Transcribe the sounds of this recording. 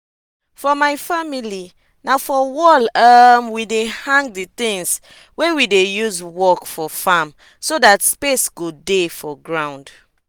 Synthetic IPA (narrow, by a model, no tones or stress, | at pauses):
fɔmaɪjfamili | nafɔwɔlamwidehãŋɡ̚dit̪ĩŋs | wewidejuzwɔkfɔfam | sodatspesɡ̥odefɔɡɹãw̃nd